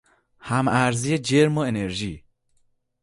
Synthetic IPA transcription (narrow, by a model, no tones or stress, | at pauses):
hæmæɾzijed͡ʒeɾmoeneɾʒiː